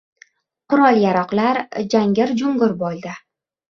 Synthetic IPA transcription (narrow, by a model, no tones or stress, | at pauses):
qʊɾɒlˠjaɾɒqlaɾd͡ʒaŋɡʲɪɾd͡ʒʊŋɡʊɾbɒlˠd̪ɪ